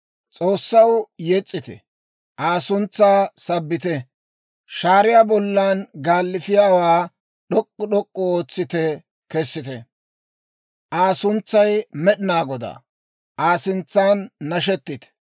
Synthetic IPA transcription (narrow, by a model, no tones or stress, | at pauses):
t͡sʼoːsːɐwjɛt͡sʼːɪt̪ɛ̰ | ʔaːsʊnt͡sːaːsɐbːɪt̪ɛ | ʃaːɾɪjaːbɔlːanɡaːlːɪfɪjaːwaː | ɗɔkʼːɔɗɔkʼːɔoːt͡sːɪt̪ɛ | kɛsːɪt̪ɛ | ʔaːsʊnt͡sːɐjmɛɗɪnaːɡɔd̪a̰ː | ʔaːsɪnt͡sːaːnːɐʃ̬ɛt̪ːɪt̪ɛ̥